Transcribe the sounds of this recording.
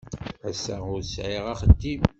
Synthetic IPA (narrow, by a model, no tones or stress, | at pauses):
ʕəsːæʊɾsʕiʁæχəd̪ːim